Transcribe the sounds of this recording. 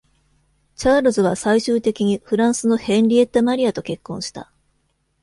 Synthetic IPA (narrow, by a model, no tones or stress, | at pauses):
t͡ɕaːɾozɨβasaiɕɨːt̪e̞kʲiɲ̟iɸɯ̟ɾãɰ̃sɨno̞hẽ̞nʲɾʲie̞t̪ːamaɾʲiat̪o̞ke̞kːõ̞ɰ̃ɕi̥t̪a̰